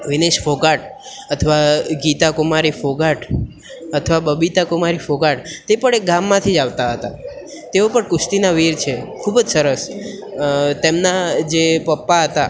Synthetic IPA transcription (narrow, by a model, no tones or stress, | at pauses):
ʋineʃfoɡaʈət̪ʰəʋaɡit̪akʊmaɾifoɡaʈ | ət̪ʰəʋabəbit̪akʊmaɾifoɡaʈt̪epəɽek̚ɡamːãt̪ʰid͡ʒaʋt̪aɦət̪a̰ | t̪eopəɳkʊsʈ̪inaʋiɾt͡ʃʰekʰubd͡ʒsəɾəs | t̪emnad͡ʒepəpːaɦət̪a